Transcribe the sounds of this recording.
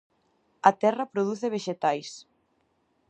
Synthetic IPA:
ɐt̪ɛrɐpɾoð̞uθeβ̞eʃet̪ajs

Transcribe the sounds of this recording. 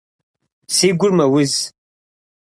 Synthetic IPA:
siɡʷʊrmawʊz

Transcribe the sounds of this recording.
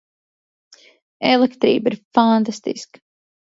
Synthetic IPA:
ɛlˠɛkt̪ɾiːbiɾfant̪ast̪ḭsk

